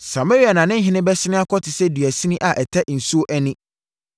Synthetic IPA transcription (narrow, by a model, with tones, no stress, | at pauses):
sa˨ma˦ɾi˦a˨nã˨nɪ̃˦ɦɪ̃˦nɪ̃˦bɛ˦sɪ˦nɪ̃˦a˦kʰɔ˦tʰɪ˨sɛ˦dɥæ˨sĩ˦nĩ˦ʔa˨ʔɛ˨tʰɛ˦ʔn̩˨su˦o˦ʔæ˦nĩ˦